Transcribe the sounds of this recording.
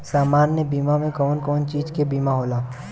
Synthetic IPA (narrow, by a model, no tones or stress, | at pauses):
saːmaːnːebiːmamẽkɔːnkɔːnt͡ʃiːd͡ʒkebiːmaɦoːlaː